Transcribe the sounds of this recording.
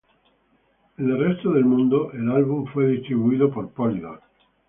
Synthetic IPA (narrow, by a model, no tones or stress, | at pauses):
elrɛst̪oðelmũnd̪oʔelalβuɱfweðist̪ɾiβuiːðopoɾpɔld̪ok